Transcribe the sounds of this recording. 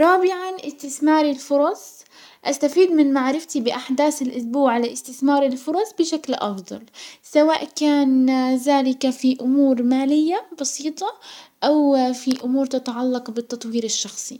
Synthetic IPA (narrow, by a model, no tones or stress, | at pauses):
ɾˤɑːbɪʕanʔɪst̪ɪθmɑːɾɪlfʊɾˤɑsˤ | ʔast̪afiːd̪mɪnmaʕɾɪft̪ibɪʔaħd̪aːθɪlʔʊsbuːʕalaʔɪst̪ɪθmɑːɾˤɪlfʊɾˤɑsˤbɪʃaklʔɑ̰fd̪ˤɑ̰lsawaːʔkaːnðaːlɪkafiʔʊmuːɾmaːlɪjːabɑsiːt̪ˤɑʔawfiʔʊmuːɾt̪ɪt̪aʕalːɑqbɪt̪ːɑt̪ˤwiːɾɪʃːɑxsˤi